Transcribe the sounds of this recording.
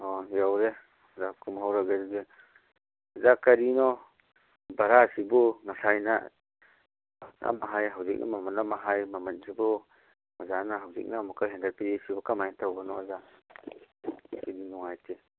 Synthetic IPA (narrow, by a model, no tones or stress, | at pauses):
ɔjawɾe | zakʰumɦawɾaɡezbe | azakɐɾinɔ | baɾasibɔnasajna | na̰maɦajɦawzik̚nʔa̰mamanːamaɦajmamansibɔ | mazanaɦawzḭk̚namukʰaɦɛndaɾpiɾisibɔkamajntʰawbanɔaza | sidinɔŋajtʰe